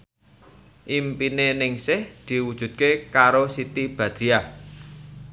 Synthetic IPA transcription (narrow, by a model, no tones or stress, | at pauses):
ʔimpinenɪŋsɪhd̪̥i̤wud̥ʒ̥ṳt̪̚kekaɾosit̪ib̥ä̤d̪̥ɾia